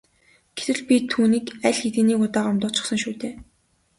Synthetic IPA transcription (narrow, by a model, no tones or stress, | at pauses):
ɡ̥et̪ɘ̆ɮpʲit̪ʰuːniːkæɮʲxet̪ɘ̆ːniːkʊt̪aːɢamt̪ɔːt͡ɕʊ̆χsə̆ŋʃuːt̪eː